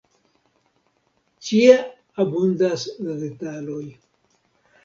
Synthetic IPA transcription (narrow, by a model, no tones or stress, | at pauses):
t͡ʃie | abundasɾetaloj